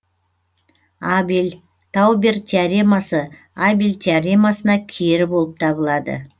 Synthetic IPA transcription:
abil | t̪ʰɑwbert̪ʰiaɾimɑsə | abilt̪ʰiaɾimɑsənɑkʲʰeɾɪbo̞lˠəp̚t̪ʰɑbəlˠɑd̪ə̰

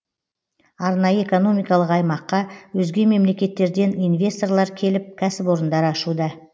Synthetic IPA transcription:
ɑɾnɑjəe̞ko̞no̞mijkɑlˠəqɑjmɑqːɑwɵzɡʲe̞me̞mle̞kʲe̞t̪ːe̞ɾd̪e̞nijnvʲe̞st̪o̞rlˠɑɾkʲʰe̞lɪp̚kʲʰæsɪpo̞ɾənd̪ɑɾɑʃud̪ɑ

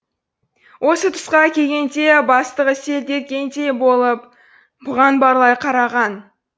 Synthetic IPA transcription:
wʔo̞sət̪ʰʊ̥sqɑkʲʰe̞ɡʲe̞nt̪e̞bɑst̪əʁəse̞ld̪e̞ɾkʲe̞nt̪e̞bo̞lˠəp̚ | bʊʁɑnbɑɾlˠɑjqʰɑɾɑʁɑn

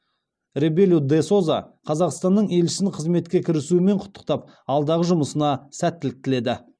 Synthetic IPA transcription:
rebelʲud̪e̞so̞zɑ̰qʰɑzɑqst̪ɑnːəɴe̞lʃɪ̥sɪnqʰəzme̞t̪̚kʲe̞kʲʰɪɾɪsuɪme̞ɴqʰʊ̥t̪ːə̥q̚t̪ɑp̚ | ɑlˠd̪ɑʁəʒʊməsənɑsæt̪ːɪlɪk̚t̪ɪle̞d̪ɪ

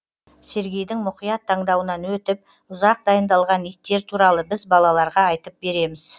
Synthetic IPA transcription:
se̞ɾɡʲejd̪ɪŋmʊqijɑt̪ʰːɑɴd̪ɑwənɑnwɵt̪ɪp̚ | ʊzɑq̚d̪ɑjənd̪ɑlˠʁɑnit̪ːe̞ɾt̪ʰuɾɑlˠəbɪzbɑlˠɑlˠɑɾʁɑːjt̪əp̚be̞ɾe̞mɪz̥

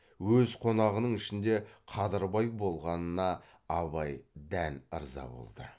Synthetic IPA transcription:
wɵzqʰo̞nɑʁənəɴɪʃɪnd̪e̞qʰɑd̪əɾbɑjbo̞lˠʁɑnənɑː | βɑjd̪ænəɾzɑ̰bo̞̰lˠd̪ə̰

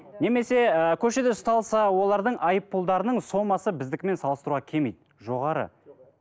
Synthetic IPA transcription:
ne̞me̞se̞əkʲʰɵʃe̞d̪ɪʊst̪ɑlˠsɑwo̞lˠɑɾd̪əɴʔɑjəpːulˠd̪ɑɾənəɴso̞mɑsəbɪzd̪ɪkʲme̞nsɑlˠəst̪ɾuʁɑkʲʰe̞mejd̪ɪ | ʒo̞ʁɑɾə̰

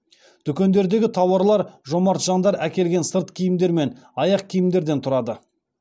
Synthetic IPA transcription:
d̪̥ʏkʲe̞nd̪e̞ɾd̪e̞ɡʲɪt̪ʰɑwɑɾlˠɑɾʒomɑɾt̪ʒɑɴd̪ɑɾækʲe̞lɡʲe̞nsəɾt̪kʲʰijɪmd̪e̞ɾme̞n | ɑjɑqkʲʰijɪmd̪e̞ɾd̪e̞nt̪ʰʊɾɑd̪ə

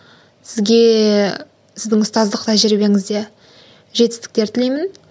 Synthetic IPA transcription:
sɪzɡʲe̞ | sɪzd̪ɪŋʊst̪ɑzd̪əqt̪ʰɑʒɪɾebe̞ɾɪŋɪzd̪e | ʒet̪ɪst̪ɪ̥k̚t̪e̞ɾt̪ʰɪle̞jmɪn

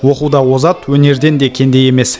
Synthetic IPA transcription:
wo̞qud̪ɑwo̞zɑt̪wɵne̞ɾd̪e̞nd̪e̞kʲʰe̞nd̪e̞je̞me̞s

